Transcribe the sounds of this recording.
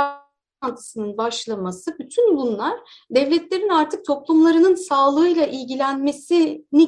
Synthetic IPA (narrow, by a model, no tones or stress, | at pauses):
ant̪ʰɯ̥sɯnɯnbaʃlˠamasɯbyt̪ʰynbunlˠaɾ̥ | d̪ɛvlʲɛt̪lʲe̞ɾinaɾt̪ʰɯk̚t̪ʰo̞plˠumlˠaɾɯnɯnsaːlˠɯːjlˠaʔilʲɟilʲænme̞sini